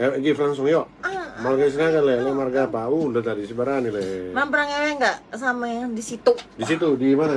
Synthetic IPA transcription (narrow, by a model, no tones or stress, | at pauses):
ed͡ʒiflaŋsʊŋjɔʔamalɡas̬inakalɛlamarɡapaundat̪adisibaɾanilɛmampəɾaŋewɛŋɡaʔsamajaŋdisit̪udisit̪udimana